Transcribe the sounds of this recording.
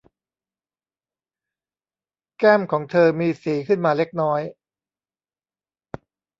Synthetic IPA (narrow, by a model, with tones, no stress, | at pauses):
kɛː˥˩mkʰɔː˩˦ŋt̪ʰɤː˧miː˧siː˩˦kʰɯ˥˩nmaː˧le˦˥k̚nɔː˦˥j